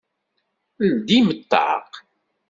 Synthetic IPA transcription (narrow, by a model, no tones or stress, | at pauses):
ld̪imət̪ːɑ̰q